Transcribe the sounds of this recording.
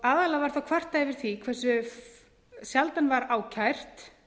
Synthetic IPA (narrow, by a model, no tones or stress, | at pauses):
aːðalavaɾ̥θawkʰvar̥t̪ːajvɪɾ̥θikʰvɛr̥sʏ | sjalt̪anvaɾaːwcʰajr̥t̪